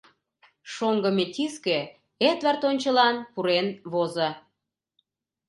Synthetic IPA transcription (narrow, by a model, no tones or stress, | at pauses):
ʃoŋɡəmet̪ʲiske | et̪βɑrt̪onʲt͡ɕə̆lɑnpuɾenβozə